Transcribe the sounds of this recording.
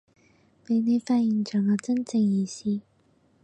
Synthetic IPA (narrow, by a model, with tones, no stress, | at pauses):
pe˨˥jne˨˧jfaː˧t̚ji˨˩nt͡ʃœː˨˩ŋɔː˨˧t͡sɐ˥nt͡sɪ˧ŋjiː˨˧siː˥